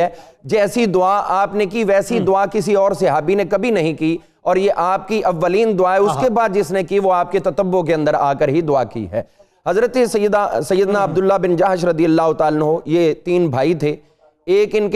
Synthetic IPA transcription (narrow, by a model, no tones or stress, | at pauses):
ɛːd͡ʒɛːsid̪ʊaaːpnekiʋɛːsid̪ʊakɪsiɔːɾsɪɦaːbinekɐbʱinɐɦĩkiː | ɔːɾjeʔaːp̚kiʔɐʋːəliːnd̪ʊaːɦɛʊskebaːd̪̚d͡ʒɪsnekiʋoaːp̚ket̪ɐt̪əbːok̬eɐ̃nd̪əɾa̰ːkəɾɦid̪ʊakḭɦɛ̰ː | ɦɐzɾət̪esɐjːəd̪asɐjːəd̪naɐbd̪ʊlːabɪnd͡ʒaːɦʃɾɐd̪ijəlːaːɦʊt̪aːlənɦojet̪iːnbʱaːit̪ʰe | eːkɪnk